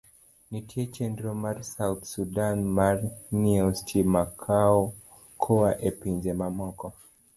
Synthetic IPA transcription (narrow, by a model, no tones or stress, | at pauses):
nitʰiɛt͡ʃɛndɾɔmaɾsawt̪sudanmaɾniɛstʰimakʰaɔ | kʰɔaʔɛpiɲd͡ʒɛmamɔkɔ